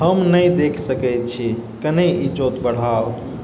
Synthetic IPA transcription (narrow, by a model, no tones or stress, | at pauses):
həmnəjd̪ekʰsəkəjt̪̚t͡ʃʰikəneid͡ʒot̪bəɽ̤ao